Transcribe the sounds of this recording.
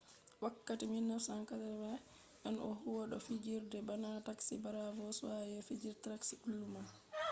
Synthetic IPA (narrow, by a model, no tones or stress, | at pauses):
wakːatiminːɔsaŋkatɛmɛ | ʔɛnɔ̰huwɔɗɔfid͡ʒiɾdɛbanataksibaɾavɔswajɛfid͡ʒiɾtɾaksiʔulːuma